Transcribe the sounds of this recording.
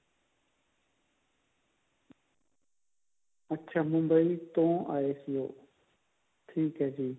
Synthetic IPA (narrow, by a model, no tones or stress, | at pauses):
ətːʃʰaːmʊ̃mbəiːt̪õːʔaːeːsɪjo̰ː | t̪ʰiːkɦəd͡ʑiː